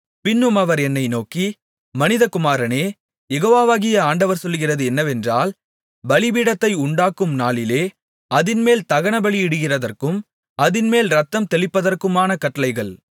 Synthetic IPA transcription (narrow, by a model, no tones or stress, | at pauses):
pɪnːɯmɐʋɐɾɛnːɐɪnoːki | mɐnɪðɐkʊmaːɾɐneː | jɛɣoːʋaːʋaːɣɪjɐaːɳɖɐʋɐɾsɔlːɯɣɪrɐðɯɛnːɐʋɛndraːl | bɐɭɪbiːɽɐt̪ːɐɪʊɳɖaːkːɯmnaːɭɪleː | ɐðɪnmeːlt̪ɐɣɐɳɐbɐɭiɪɽɯɣɪrɐðɐrkɯm | ɐðɪnmeːlɾɐt̪ːɐmt̪ɛɭɪpːɐðɐrkɯmaːnɐkɐʈːɐlɐɪɣɐɭ